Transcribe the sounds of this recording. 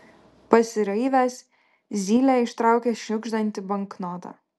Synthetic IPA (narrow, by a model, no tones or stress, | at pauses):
pɐsʲɪɾɐɪʋʲæs | zʲiːlʲæːɪʃt̪ɾɑˑʊkʲɛʃʲnʲʊɡʒd̪ɐnʲt̪ʲɪbɐŋknɔt̪ɑ̰ː